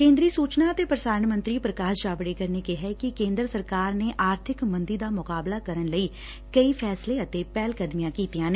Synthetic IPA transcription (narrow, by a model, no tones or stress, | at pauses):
kẽːnd̪ɾiːsuːt͡ʃnaːət̪eːpɾəd̪aːɾnmə̃nt̪ɾiːpɾəkaːʃd͡ʒaːbɽeːkəɾneːkeɦɛːkɪkẽːnd̪ɾəsəɾkaːɾneːʔaːɾt̪ʰɪkmə̃nd̪iːd̪aːmʊkaːblaːkəɾənləiː | kəipʰɛːsleːət̪eːpɛːlkəd̪mijãːkiːt̪ijãːne